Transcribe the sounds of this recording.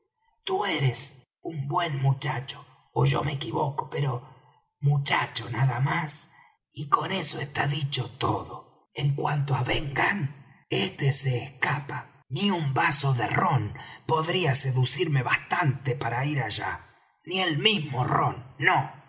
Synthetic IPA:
t̪ueɾes | umbwe̞nmut͡ʃat͡ʃo̥ː | ʒo̞̰mekiβoko̥peɾo | mut͡ʃa̰t͡ʃonaðamas | iko̞ne̞soest̪a̰ðit͡ʃot̪o̰ðo | eŋkwant̪oaβeŋɡanest̪eseːhkapa | niumbaso̞ðeronpo̞ðɾiase̞ðusiɾme̞βast̪ant̪epaɾaiɾaʒa̰ | nielmizmoro̰nːo

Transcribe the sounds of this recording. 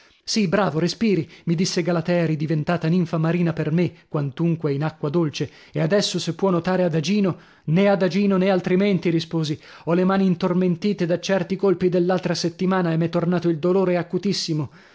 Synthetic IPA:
sibɾaːvoɾespiːɾimid̪isːeɡalat̪ɛaɾid̪ivent̪aːt̪aniɱfamaɾiːnapermekːwant̪uŋkweinakːwad̪olt͡ʃe | ead̪ɛsːosepːwɔnːot̪aːɾead̪ad͡ʒiːno | nead̪ad͡ʒiːnonealt̪ɾiment̪iɾispoːzi | ɔlemaːniːnt̪orment̪iːt̪ed̪at͡ʃɛrt̪ikolpid̪elːalt̪ɾaset̪ːimaːnaemɛt̪ːornaːt̪oild̪oloːɾeakːut̪isːimo

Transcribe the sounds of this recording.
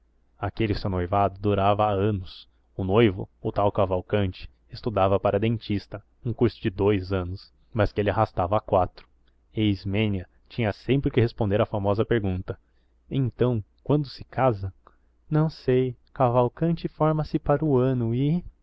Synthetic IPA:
akelɪsõnojvad̪ʊd̪uɾavɐaɐ̃nʊs | ʊnojvʊ̰ʊt̪awkavawkɐ̃nt͡ʃɪ̥ | est̪ud̪avɐpaɾʔɐd̪ẽnt͡ʃist̪ɐ | ũkuɾsʊd͡ʒɪd̪ojzɐ̃nʊs | mɐskɪelɪaɦast̪avɐakwat̪ɾʊ̥ | eizmẽniɐ | t͡ʃĩɲɐsẽmpɾɪkɪhespõnd̪eɾɐfamɔzɐpeɾɡũnt̪ɐ | ẽt̪ɐ̃w̃ | kwɐ̃nd̪ʊsɪ̥kazɐ̃ | nɐ̃w̃sej | kavawkɐ̃nt͡ʃɪfɔɾmɐsɪpaɾʊɐ̃nʊɪ

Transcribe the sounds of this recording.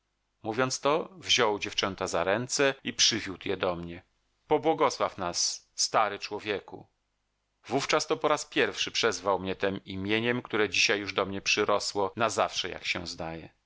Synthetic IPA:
muvʲjɔnt̪st̪ɔvʑɔwd͡ʑɛft͡ʂɛnt̪azaɾɛnt̪sɛipʂɘvʲjut̪jɛd̪ɔmɲɛ | pɔbwɔɡɔswafnasː | t̪aɾɘt͡ʂwɔvʲjekṵ | vuft͡ʂast̪ɔpɔɾaspʲjɛɾfʂɘpʂɛzvawmɲɛt̪ɛmimʲjeɲɛmkt̪uɾɛd͡ʑiɕajːuʐd̪ɔmɲɛpʂɘɾɔswɔnazafʂɛja̰kɕɛ̰̃zd̪ajɛ̰

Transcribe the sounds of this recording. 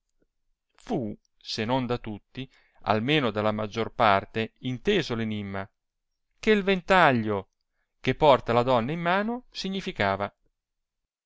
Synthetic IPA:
fu | senond̪at̪ut̪ːi | a̰lmeːnod̪alːamad͡ʒːorpart̪eint̪eːzolenimːa | keilvent̪aʎːo | kepːɔrt̪alad̪ɔnːaimːaːnosiɲːifikaːva

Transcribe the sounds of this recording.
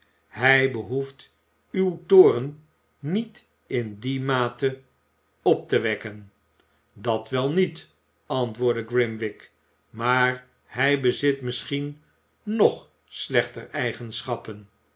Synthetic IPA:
hɛjbəɦuft | ywtoːrən | nit | ɪndimaːtə | ɔp̚təʋɛkən | dɑtʋɛlˠnit | ɑntʋʊːɹdəɡrɪmʋɪk | maːɹ | hɛjbəzɪtmɪsχin | nɔχ | slɛχtərɛjχənsχɑpən

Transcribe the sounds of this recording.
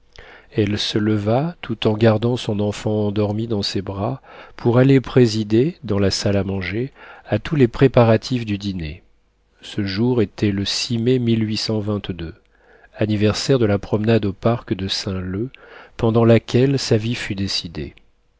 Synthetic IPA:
ɛlsələvat̪ut̪ɑ̃ɡaʁd̪ɑ̃sɔ̃nɑ̃fɑ̃ːd̪ɔʁmid̪ɑ̃sebʁapʰuʁalepχezid̪ed̪ɑ̃lasalamɑ̃ʒeat̪ulepχepaʁat̪ʰifd̪yd̪inḛ | səʒuʁet̪ʰɛləsimɛmilɥisɑ̃vɛ̃t̪d̪ø | anivɛʁsɛʁd̪əlapχɔmnad̪opaʁkd̪əsɛ̃løpɑ̃d̪ɑ̃lakʲɛlsavifyd̪esid̪ḛ

